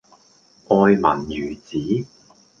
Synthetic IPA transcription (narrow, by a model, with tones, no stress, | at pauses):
ʔɔː˧jmɐ˨˩njyː˨˩t͡siː˨˥